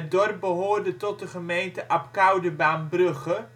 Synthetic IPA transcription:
t̚dɔrp̚bəɦoːrdətɔt̚dəχəmejntəʔɑpkawdəbaːnbrɵχə

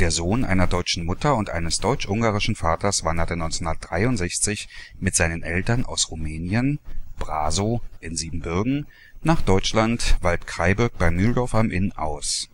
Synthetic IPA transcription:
d̥eːɐzoːnʔa̰ɪnɐdɔʏt͡ʃn̩mʊtɐʊntʔa̰ɪnəsd̥ɔʏt͡ʃʔʊŋɡaːʁɪʃn̩faːtɐsv̥andɐtənɔʏnt͡shʊndɐtd̥ʁaɪʊntz̥ɛçt͡sɪçmɪtz̥aɪnənʔɛltɐnʔa̰ʊsʁumɛːnjənb̥ʁaːzoʔɪnziːbm̩bʏɐɡŋ̩ | naːχd̥ɔʏt͡ʃlantv̥altkʁ̥aɪbʊɐk̚b̥aɪmyːldɔɐfamʔɪnʔa̰ʊs

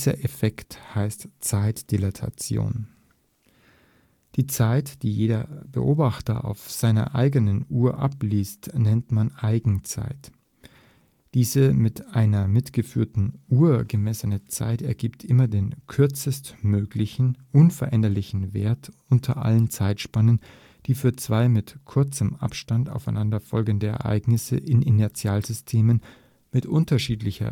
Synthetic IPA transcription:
zɐʔefɛkthaɪstt͡saɪtd̥elatʰa̰t͡sjo̰ːn | d̥iːt͡saɪtd̥iːjeːdɐbə̰ʔoːbaχtɐ̰ʔa̰ʊfz̥aɪnɐ̰ʔa̰ɪɡənənʔuːɐʔa̰pliːstnɛntmanʔaɪɡŋ̩t͡sa̰ɪt | d̥iːzəmɪtʔaɪnɐmɪtɡ̥əfyːɐtn̩ʔuːɐɡəmɛsənət͡sa̰ɪtɛɐɡiːptʰʔɪmɐdeːnkʰʏɐt͡səstmøːɡlɪçn̩ʔʊnfɛɐʔɛndɐlɪçn̩vḛːɐtʔʊntʰɐ̰ʔa̰lənt͡saɪtʃpanən | d̥iːfyːɐt͡sv̥aɪmɪtkʰʏɐt͡səmʔa̰pʃtanta̰ʊfaɪnandɐfɔlɡəndəɛ̰ɐʔa̰ɪɡnɪsə̰ʔɪnʔɪnɛɐt͡sjaːlzʏstʰeːmən | mɪtʔʊntɐʃiːtlɪçɐ̰

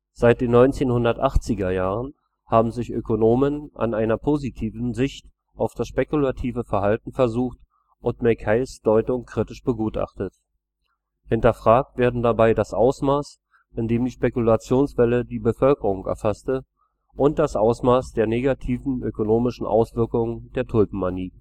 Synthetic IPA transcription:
z̥aɪt̚d̥eːnɔʏnt͡seːnhʊndɐtʔaχt͡sɪɡɐjaːʁən | haːbm̩zɪçʔøkonoːmənʔa̰nʔaɪnɐpʰoːzitʰiːvn̩zɪçt | ʔaʊfd̥asʃpɛkulatʰiːvəfɛɐhaltn̩fɛɐzuːxt | ʔʊntmɛkʰaɪsd̥ɔʏtʊŋkʁ̥itɪʃb̥əɡuːtʔa̰χtət | hɪntɐfʁ̥aːk̚tv̥eːɐdn̩dabaɪdasʔaʊsmaːs | ʔɪndeːmdiːʃpekulat͡sjoːnsv̥ɛlədiːbəfœlkəʁʊŋʔɛ̰ɐfastə | ʔʊnt̚d̥asʔaʊsmaːsd̥eːɐneːɡatʰiːvn̩ʔøkonoːmɪʃn̩ʔa̰ʊsv̥ɪɐkʊŋəndeːɐtʰʊlpm̩maniː

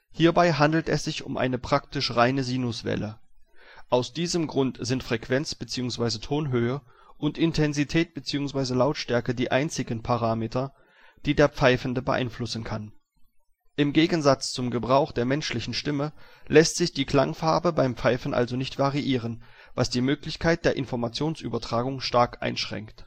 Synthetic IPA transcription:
hiːɐbaɪɦandl̩tɛsz̥ɪçʊ̰mʔa̰ɪnəpʁ̥aktɪʃʁaɪnəziːnʊsv̥ɛ̰lʔə | ʔaʊsd̥iːzəmɡʁʊntz̥ɪntfʁ̥ɛkv̥ɛnt͡sb̥ət͡siːʊŋsv̥aɪzətʰoːnɦøːə | ʔʊntʔɪntʰɛnzitʰɛːt̚b̥ət͡siːʊŋsv̥aɪzəlaʊtʃtɛɐkədiːʔaɪnt͡sɪɡən̩pʰaʁ̞aːmeːtɐ | d̥iːdeːɐp͡faɪfn̩dəbəʔa̰ɪnflʊsn̩kʰan | ʔɪmɡeːɡn̩zat͡st͡sʊmɡəbʁaʊxd̥eːɐmɛnʃlɪçn̩ʃtɪməlʔɛstz̥ɪçd̥iːkl̥a̰ŋfaɐbəbaɪmpp͡faɪfn̩ʔa̰lzonɪçtv̥aʁiʔiːʁ̞ən | va̰sd̥iːmøːklɪçkʰaɪt̚d̥eːɐʔɪnfɔɐmat͡sjoːnsʔy̰ːbɐtʁ̥aːɡʊŋʃtaɐkʔa̰ɪnʃʁ̥ɛ̰ŋkt

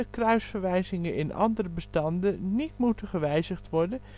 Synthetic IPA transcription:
əkrœɥsfəɹʋɛjzɪŋəɪnʔɑ̰ndərəbəstɑndənitmutəχəʋɛjzəχtʋɔɹdən

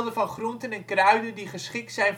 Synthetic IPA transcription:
lˠdəfɑnχruntənɛnkrœɥdəndiχəsχɪk̚tsɛjn

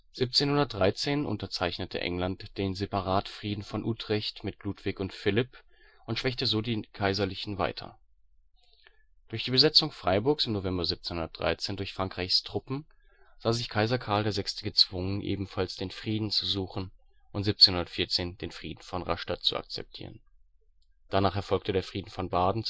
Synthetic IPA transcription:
z̥iːp̚t͡seːnhʊndɐt̚d̥ʁaɪt͡seːnʔʊ̰ntɐt͡saɪçnətʰə̰ʔɛ̰ŋlantd̥eːnzepaʁaːtfʁ̥iːdn̩fɔnʔuːtʁ̥ɪçtmɪt̚luːtv̥ɪçʊntfɪlɪp | ʔʊntʃv̥ɛçtəzoːdiːkʰaɪzɐlɪçn̩va̰ɪtʰɐ̰ | d̥ʊɐçd̥iːbəzɛt͡sʊŋfʁ̥aɪbʊɐksɪmnovɛmbɐziːp̚t͡seːnhʊndɐt̚d̥ʁa̰ɪt͡seːndʊɐçfʁ̥aŋkʁ̥aɪçstʁ̥ʊpm̩ | z̥aːzɪçkʰaɪzɐkʰaɐldeːɐzɛkstəɡət͡sv̥ʊŋənʔḛːbm̩falsd̥eːnfʁ̥iːdn̩t͡suzuːχn̩ | ʔʊntzip̚t͡senhʊndɐtfiːɐt͡seːnd̥eːnfʁ̥ḭːdn̩fɔnʁa̰ʃtat̚t͡sṵa̰k̚t͡sɛ̰p̚tʰḭːʁən | d̥anaːχɛɐfɔlk̚tʰədeːɐfʁ̥iːdn̩fɔnbaːdn̩

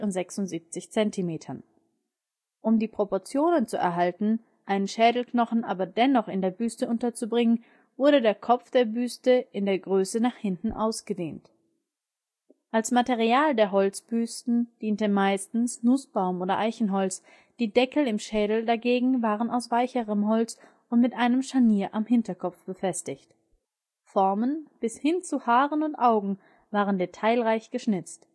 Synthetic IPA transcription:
ʊntz̥ɛksʊntz̥iːp̚t͡sɪçt͡sɛntʰimeːtʰɐn | ʔʊmdiːpʁ̥opɔɐt͡sjoːnənt͡suɛ̰ɐɦaltn̩ | ʔaɪnənʃɛːdl̩knɔχn̩ʔaːbɐdɛnɔχɪndeːɐbyːstəʔʊntɐt͡subʁɪŋən | vʊɐɾədeːɐkʰɔp͡fd̥eːɐbyːstəɪndeːɐɡʁøːsənaːχhɪntn̩ʔa̰ʊsɡ̥ədḛːnt | ʔalsmateʁ̞iaːldeːɐɦɔlt͡sb̥yːstn̩d̥iːntəmaɪstn̩snʊsb̥aʊmʔoːɾɐʔaɪçn̩ɦɔlt͡s | d̥iːdɛkl̩ɪmʃɛːdl̩daɡeːɡŋ̩vaːʁənaʊsv̥aɪçəʁəmɦɔlt͡s | ʔʊntmɪtʔaɪnəmʃaniːɐʔamɦɪntɐkʰɔpp͡fb̥əfɛstɪçt | fɔɐmənb̥ɪshɪnt͡suhaːʁənʊntʔaʊɡŋ̩ | vaːʁəndetʰaɪlʁaɪçɡ̥əʃnɪt͡st

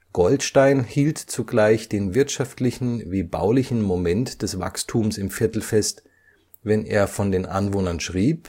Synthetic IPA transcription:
ɡ̥ɔltʃtaɪnhiːltt͡suɡlaɪçd̥eːnvɪɐtʃaftlɪçn̩viːba̰ʊlɪçn̩momɛntd̥ɛsv̥a̰kstʰuːmsɪmfɪɐtl̩fɛst | vɛnʔḛːɐfɔndeːnʔa̰nvoːnɐnʃʁ̥iːp

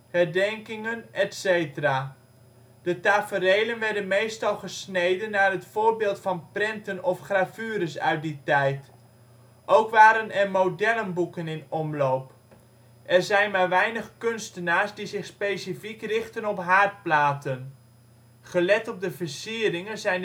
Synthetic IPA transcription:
hɛɹdɛŋkɪŋənɛtsejtəraː | d̥ətaːfərejlənʋɛɹdənmejstɑlˠχəsnejdənːaːrɦətfoːɹbɪːlˠtfɑnprɛntənɔfχrav̥yːəɾəsœɥt̚ditɛjt | ʔowkʋaːɾənɛrmowdɛlənbukənɪnɔmlowp | ʔɛrzɛjnmaːɹʋɛjnəχkønstənaːɹsdizɪχspejsifikrɪχtənɔpɦaːɹt̚plaːtən | χəlɛtɔb̚dəvəsiərɪŋənzɛjn

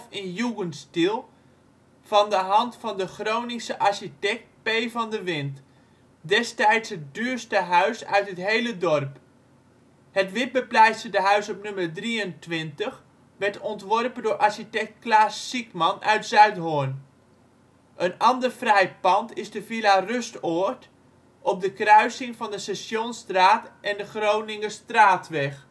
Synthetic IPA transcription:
fɪnjuɡənstilˠ | v̥ɑndəɦɑntfɑndəχrownisəʔaɹsitɛk̚t̚pejvɑndəʋɪnt | dɛstɛjtshət̚dyːɹstəɦœɥsœ̰ɥtɦətɦejlədɔrp | hətʋɪt̚bəplɛjsədəɦœɥsɔpnɵmərdriəntʋɪntəχ | ʋɛɹtɔntʋɔrpəndʊːɹʔaɹʃitɛk̚t̚klaːsːikmɑnœ̰ɥtzœɥtɦʊn | ʔənɑndərfrɛjpɑntɪzdəvilarøstɔt | ʔɔp̚dəkrœɥsɪŋvɑndəsɛsjonstraːtʔɛndəχrownɪŋəstraːtʋɛχ

